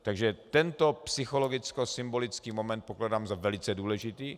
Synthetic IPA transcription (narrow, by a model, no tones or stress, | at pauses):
t̪aɡʒɛt̪ɛnt̪o̞psɪxo̞lo̞ɡɪt͡skosɪmbo̞lɪt͡skiːmo̞mɛnt̪̚po̞kladaːmzavɛlɪt͡sɛduːlɛʒɪt̪iː